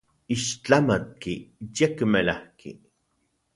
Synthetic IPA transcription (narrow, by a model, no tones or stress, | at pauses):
iʃt͡ɬamat̪̚kijekmelahkḭ